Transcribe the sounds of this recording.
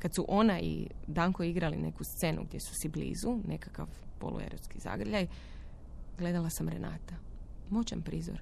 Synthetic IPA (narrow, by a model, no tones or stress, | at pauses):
kat̪suʔo̞naḭd̪aŋkoiɡɾaline̞kust̪se̞nʔṵɡd̪ʲjesu̥siblḭːzune̞kakaʋpo̞̰lʔṵḛɾot̪skiza̰ɡrʎaj | ɡle̞d̪alˠasamɾḛna̰ːt̪amot͡ɕampɾiːzo̰ɾ